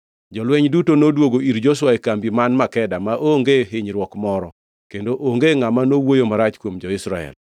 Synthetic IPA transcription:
d͡ʒɔlwɛɲdutonodwoɡoiɾd͡ʒos̬waekambimanmakɛdamaʔoŋɡeɦɪɲɾwɔkmɔɾɔ | kendoʔoŋɡeŋamanowojomaɾat͡ʃkwomd͡ʒɔɪsɾaɛ̰l

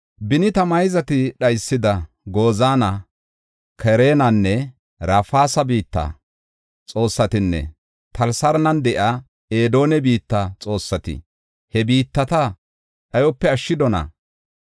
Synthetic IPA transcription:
bɪnɪt̪ɐmɐjzɐt̪ɪɗɐjsːɪd̪ɐ | ɡo̞ːzaːnɐ | kɛɾe̞ːnɐnːɛ | ɾɐfaːsɐbiːt̪ːɐ̰ | t͡sʼo̞ːsːɐt̪ɪnːɛ̰ | t̪ʰɐlsɐɾnɐnd̪ɛʔa | eːd̪o̞ːnɛbiːt̪ːɐt͡sʼo̞ːsːɐt̪ɪ̰ | hɛbiːt̪ːɐt̪ɐ | ɗɐjɔpːɛɐʃːɪd̪ɔnɐ̰

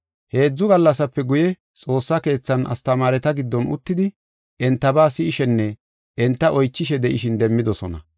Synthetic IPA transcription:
he̞ːd͡zːʊɡɐlːɐsɐpːɛɡʊjɛ | t͡sʼo̞ːsːɐke̞ːt͡sːɐnʔɐ̰st̪ɐmaːɾɛt̪ɐɡɪd̪ːɔnʊ̰t̪ːɪd̪ɪ | ɛnt̪ːɐbaːsɪɪʃɛnːɛ | ɛnt̪ːɐʔɔjt͡ʃːɪʃɛd̪ɛʔɪʃɪnd̪ɛmːɪd̪ɔsɔnɐ̰

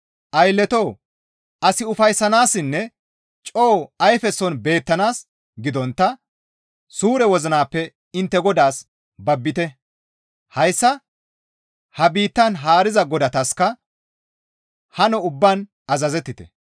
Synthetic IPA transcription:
ʔɐjlːɛt̪oː | ɐsɪʊfɐjsːɐnaːsɪnːɛ | t͡ʃʼoːɐjfɛsːɔnbe̞ːt̪ːɐnaːs | ɡɪd̪ɔnt̪ːɐ | suːɾɛwɔzɐnaːpːɛ | ɪnt̪ːɛɡɔd̪aːs | bɐbːɪt̪ɛ | hɐjsːɐ | hɐbiːt̪ːɐnɦaːɾɪzɐɡɔd̪ɐt̪ɐskɐ | hɐnɔʊbːan | ɐzɐzɛt̪ːɪt̪ɛ̰

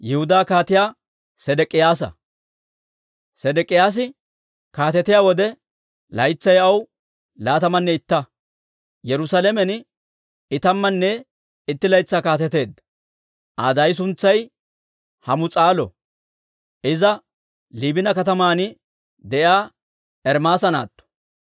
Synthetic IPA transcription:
jɛhʊd̪aːkaːt̪ɪjaː | sɛd̪ɛkʼːɪjaːs̬ɐ̰ | sɛd̪ɛkʼːɪjaːs̬ɪ | kaːt̪ɛt̪ɪjaːwɔd̪ɛ | lɐjt͡sːɐjɐw | laːt̪ɐmɐnːɛɪt̪ːɐ | jɛɾʊsaːlɛmɛn | ɪt̪ɐmːɐnːɛ | ɪt̪ːɪlɐjt͡sːaːkaːt̪ɛt̪e̞ːd̪ːɐ̥ | ʔa̰ːd̪ɐjs̬ʊnt͡sːɐj | hɐmʊt͡sʼaːlɔ̰ | ʔɪzɐ | liːbɪnɐkɐt̪ɐmaːnɪ | d̪ɛjaː | ɛɾmaːsɐna̰ːt̪ːɔ̥

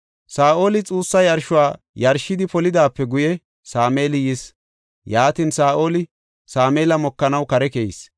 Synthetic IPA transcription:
saːʔo̞ːlɪt͡sʼuːsːɐjɐɾʃʊwaː | jɐɾʃːɪd̪ɪpɔlɪd̪aːpːɛɡʊjɛ | saːmeːlɪjɪs | jaːt̪iːnsaːʔo̞ːlɪ | saːmeːlɐmɔkːɐnɐwkɐɾɛkeɪs

